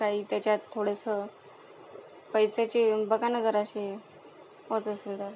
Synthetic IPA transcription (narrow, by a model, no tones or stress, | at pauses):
kaɦiːt̪jat͡ɕjat̪ʰːoɽəsə | pəjsat͡ɕiːbəɡanad͡zəɾəɕi | ɦot̪əseld̪əɾ